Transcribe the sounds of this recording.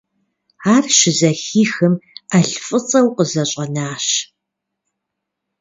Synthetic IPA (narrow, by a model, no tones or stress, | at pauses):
aːrʃɪzɐxiːxɨmɐɬfʼɨt͡sʼɐwqəzɐɕʼɐnaːɕ